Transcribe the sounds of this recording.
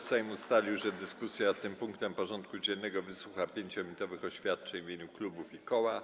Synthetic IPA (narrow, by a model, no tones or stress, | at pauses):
sɛjmust̪alʲiwʐɛd̪ɘskusʲjat̪ːɘmpuŋkt̪ɛmpɔʐɔnt̪̚kud͡ʑɛnːɛɡɔvɘswuxapʲjeɲt͡ɕɔmʲit̪ɔvɘxɔɕfʲjat̪̚t͡ʂɛɲvʲeɲuklubufikɔwa